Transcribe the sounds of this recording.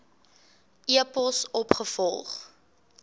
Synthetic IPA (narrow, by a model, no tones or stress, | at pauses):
ʔiəpɔlˠsɔpχəfɔlˠχ